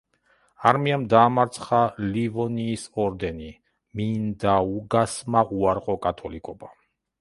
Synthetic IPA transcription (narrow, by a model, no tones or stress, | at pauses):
aɾmiamd̪aːmaɾt̪sʰχalivɔniːsɔɾd̪ɛni | mind̪auɡasmaʔuaɾqʼɔkʼat̪ʰɔlikʼɔba